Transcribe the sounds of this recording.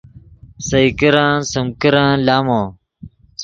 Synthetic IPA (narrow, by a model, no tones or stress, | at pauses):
sɐikɐɾãːsɐmkəɾãːlaːmõː